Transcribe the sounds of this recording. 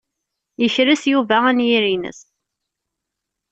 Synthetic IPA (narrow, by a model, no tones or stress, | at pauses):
jəçɾæsjuvæænjiɾinə̰s